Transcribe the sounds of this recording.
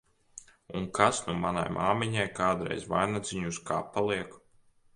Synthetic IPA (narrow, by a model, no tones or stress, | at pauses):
unkasnumana̰jmʔaːmiɲajkaːd̪ɾɛ̰jzvajnad̪ziɲuska̰ːpalˠiɛk